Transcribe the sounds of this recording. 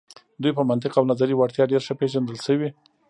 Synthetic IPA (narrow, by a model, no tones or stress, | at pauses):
d̪ujpəmant̪ɪqawnazaɾiwaɽt̪jɑɖeɾʃəpeʒand̪əlʃəwi